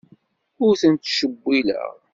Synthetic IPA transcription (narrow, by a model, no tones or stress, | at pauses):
ʊɾθənt̪ʃəbːilə̰ʁ